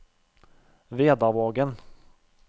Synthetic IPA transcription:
veːd̪aʁvoːɡən

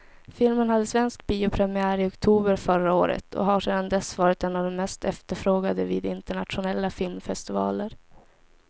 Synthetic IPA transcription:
fɪlmənhad̪ːəsvɛnsk̚biːʊpʰɾɛmɪæːɾɪɔkt̪ʰuːbəɾfœɾao̰ːɾə̰t̪ʰɔ̰ɦaʂeːd̪and̪ɛsvɑːɾɪt̪ɛnːavd̪ɔmmɛst̪ʰɛft̪əɾfɾoːɡad̪əvḭːd̪ɪnt̪əɳat̪ɧʊnɛlːafɪlmfɛst̪ɪvɑ̰ːləɾ

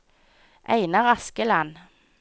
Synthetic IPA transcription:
ʔæ̰ɪnɑʁɑskəlɑn

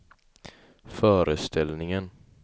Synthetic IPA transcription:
fœːɾəst̪ʰɛlnɪŋən

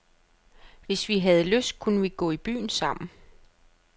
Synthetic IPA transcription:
ʋe̝sʋiɦæð̞̩ˠəløsd̥̚kʰunəʋiɡ̥ɔ̰̽ːib̥y̰ːnsɑ̈m̰n̩

